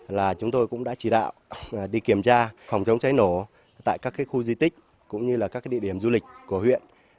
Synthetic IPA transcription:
laː˨˩t͡ɕʊ˨˦ŋ͡mt̪o˧jkʊ̰˧˥ŋ͡mɗa̰ː˧˥t͡ɕi˧˩ɗa̰ː˧˨wʔɗi˧ki˧˩əmt͡ɕaː˧fa˨˩wŋ͡mt͡ɕə˨˦wŋ͡mt͡ɕa˨˦jno˧˩ | t̪a̰ː˧˨jkaː˦˥kːi˦˥k̚xu˧zi˧t̪ï˦˥k̟̚ | kʊ̰˧˥ŋ͡mɲɨ˧laː˨˩kaː˦˥kɗḭ˧˨ɗi˧˩əmzu˧lï˨˩k̟̚ku˧˩əhwḭ˧˨ən

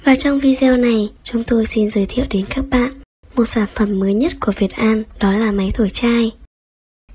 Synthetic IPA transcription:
vaː˨˩t͡ɕɔ˧wŋ͡mvi˧zɛ˧na˨˩jt͡ɕʊ˨˦ŋ͡mt̪o˧jsi˧nzəː˨˦jt̪ʰḭ˧˨əwɗe˨˦nkaː˦˥k̚ɓa̰ː˧˨n | mo˨˩t̚saː˧˩nfə˧˩mːəː˨˦jɲə˦˥t̚ku˧˩əvi˨˩ət̚ʔaː˧nɗɔ˨˦laː˨˩ma˨˦jt̪ʰo˧˩jt͡ɕaː˧j

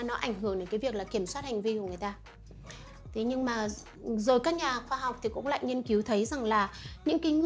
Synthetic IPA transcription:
nɔ˨˦ʔa˧˩jŋ̟hɦɨ˧˩əŋɗe˨˦nkaː˨˦vi˨˩ək̚laː˨˩ki˧˩əmswaː˦˥t̚ha˨˩jŋ̟vi˧ku˧˩əŋɨ˨˩ə˩jt̪aː˧ | t̪ʰi˨˦ɲɨ˧ŋmaː˨˩ | zo˨˩jkaː˦˥k̚ɲaː˨˩xwaː˧ɦa˨˩wk͡p̚t̪ʰi˨˩kʊ̰˧˥ŋ͡mla̰ː˧˨jɲi˧ənki˨˦wt̪ʰə˨˦jza˨˩ŋlaː˨˩ɲɨ̰˧˥ŋka˨˦ŋ

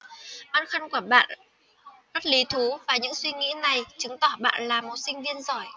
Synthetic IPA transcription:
ɓaː˧˨nxa˧nku˧˩əɓa̰ː˧˨n | ma˦˥t̚li˨˦t̪ʰu˨˦vaː˨˩ɲɨ̰˧˥ŋswi˧ŋḭ˧˥na˨˩jt͡ɕɨ˨˦ŋt̪ɔ˧˩ɓa̰ː˧˨nlaː˨˩mo˨˩t̚sï˧ŋ̟vi˧ənzɔ˨˩j

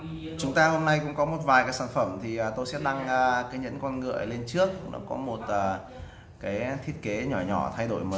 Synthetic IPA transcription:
t͡ɕʊ˨˦ŋ͡mt̪aː˧ho˧mna˧jkʊ̰˧˥ŋ͡mkɔ˨˦mo˨˩t̚vaː˨˩jkaː˨˦jsaː˧˩nfə˧˩mt̪ʰi˨˩ʔəː˨˩t̪o˧jsɛ̰˧˥ɗa˧ŋʔəː˨˩kaː˨˦jɲə̰˧˥nkɔ˧nŋɨ̰˧˩˨əjle˧nt͡ɕɨ˦˥ək̚nɔ̰˨˦kɔ˨˦mo˨˩t̚ʔəː˨˩ | kaː˨˦jt̪ʰi˦˥ət̚ke˨˦ɲɔ˧˩ɲɔ̰˧˩t̪ʰa˧jɗo̰˧˩jməː˨˦

